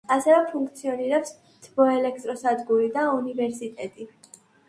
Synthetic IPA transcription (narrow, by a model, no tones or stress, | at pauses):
asɛvɛpʰuŋkʰt̪sʰiɔniɾɛps | t̪ʰbɔɛlɛk̚ʰt̪ʼɾɔsad̪ɡuɾid̪aunivɛɾsit̪ʼɛt̪ʼi